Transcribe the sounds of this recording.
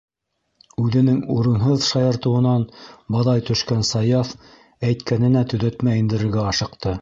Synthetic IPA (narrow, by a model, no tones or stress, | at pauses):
ʉðɘ̆nɘŋuɾɤ̆nɦɤðʃɑjɤ̆ɾt̪ɤ̆wɤ̆nɑnbɑðɑjt̪ɵ̆ʃkænsɑjɑf | æjt̪kænɘ̆næt̪ɵ̆ðæt̪mæjɘ̆nd̪ɘ̆ɾɘ̆ɾɡæɑʃɤ̆qt̪ɤ